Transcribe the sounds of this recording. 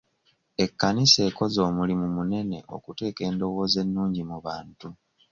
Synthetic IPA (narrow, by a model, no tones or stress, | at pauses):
e̞kːanise̞ːko̞zo̞ːmulimumune̞ne̞̰ʔo̞̰kute̞ːke̞ːndo̞wo̞ːze̞nːuːɲɟimuβaːntu